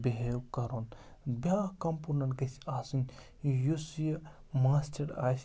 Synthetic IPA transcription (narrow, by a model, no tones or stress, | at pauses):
beɦejkɐɾoːn | bʲjaːkɐmpuɾnɐnkɐsaːsin | jusjɐ | maːstɐɾa̰ːs